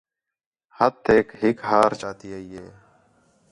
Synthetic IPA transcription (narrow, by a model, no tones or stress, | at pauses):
hət̪ʰːeːkɦɪkɦaːɾt͡ʃaːt̪iːəiːeː